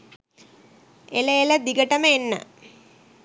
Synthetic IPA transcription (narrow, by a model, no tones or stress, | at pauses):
eləeləd̪iɡəʈəməenːə̰